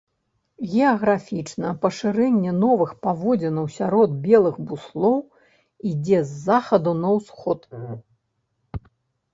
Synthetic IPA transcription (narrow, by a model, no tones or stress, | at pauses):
ɣʲɛɐɣɾafʲit͡ʂnɐpɐʂɨɾɛnʲːɛnɔvɨxpavɔd͡zʲɛnɐwsʲaɾɔd̪̚bʲɛlˠɨɣbuslˠɔw | id͡zʲɛzːaxɐd̪unɐwsxɔt̪